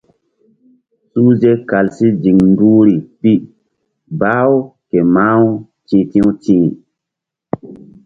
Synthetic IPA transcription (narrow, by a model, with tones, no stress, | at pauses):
su˦ze˦ka˨lsi˦d͡ʒi˨ŋnduː˦ɾi˨pi˦ | baː˦wke˨ma˦w | tĩː˨˦tĩ˦wtĩ˦